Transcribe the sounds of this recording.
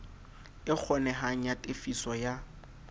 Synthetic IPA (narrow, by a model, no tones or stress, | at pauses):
ɪk͡xʰɔnɛɦaŋ̩jatʼefisɔja